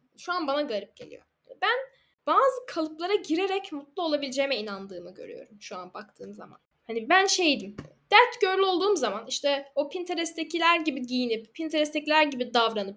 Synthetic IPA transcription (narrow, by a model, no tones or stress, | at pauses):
ʃuanbanaɡaɾip̚ɟ̥e̞̰lʲḭjo̞̰ | bæn | b̥aːzɯkʰalˠɯplˠaɾaɟiɾe̞ɾɛcmut̪lˠuo̞lˠabilʲid͡ʒemɛinand̪ɯːmɯɟø̞̰ɾy̰jo̞̰ɾumʃua̰nbakt̪ʰɯːmza̰ma̰n | hanibænʃe̞jd̪imd̪̥æɾt̪ɟøɾlʲyo̞lˠd̪uːmzamaniʃt̪ʰɛopʰint̪ʰeɾɛst̪ʰecʰilʲæɾɟibiɟijinippʰːint̪ʰeɾɛst̪ʰɛclʲæɾɟibid̪avɾanɯp̚